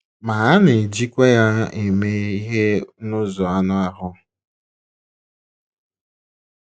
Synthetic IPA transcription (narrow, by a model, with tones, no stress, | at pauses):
ma˨a˦ne˨d͡ʒi˦kʷe˦ja˦e˨me˦i˦ɦe˦nʊ˦zɔ˨a˦nʊ˦a˦ɦʊ˦